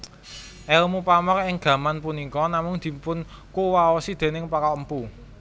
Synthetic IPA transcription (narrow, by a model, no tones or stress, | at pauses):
ʔɛlmupamɔkɪŋɡ̥ä̤manpunikɔnamʊŋd̪̥i̤mpʊn | kuwaɔsid̪̥e̤nɪŋpakɔəmpu